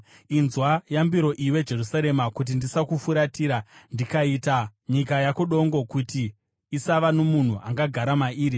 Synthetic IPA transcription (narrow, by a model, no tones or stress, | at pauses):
inzwajambiɾo̞ʔiwe̞d͡ʒe̞rusaɾe̞makut̬indisakufuɾatiːɾandikaiːtaɲikajakuɗo̞ŋɡo̞kutiː | saʋanomun̤uʔa̰ŋɡaɡʱaɾamaʔiːɾi